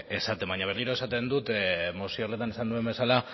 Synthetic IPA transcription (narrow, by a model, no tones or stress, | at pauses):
e̞sat̪e̞mbaɲaβ̞erliɾo̞e̞sat̪e̞nd̪ut̪mosiorle̞t̪ane̞sand̪ue̞mbe̞sala